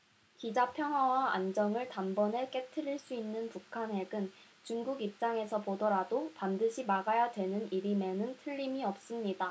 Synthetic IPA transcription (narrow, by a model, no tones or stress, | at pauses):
kid͡ʑapʰjʌŋɦwawaa̰nd͡ʑʌŋɯɭtambʌne̞k͈e̞tʰɯɾiɭs͈uinːɯnpukʰanɦe̞ɡɯn | t͡ɕuŋɡuɡip̚t͡ɕ͈aŋe̞sʰʌpodʌɾadopandɯɕʰimaɡajadwe̞nɯniɾime̞nɯntʰɯʎːimiʌp̚s͈ɯmɲida